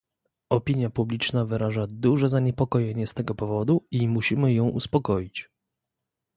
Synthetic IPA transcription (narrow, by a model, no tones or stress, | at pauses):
ɔpʲiɲjapublʲit͡ʂnavɘɾaʐad̪uʐɛzaɲɛpɔkɔjɛɲɛst̪ɛɡɔpɔvɔd̪uimuɕimɘjɔ̃w̃ʔṵspɔkɔjit͡ɕ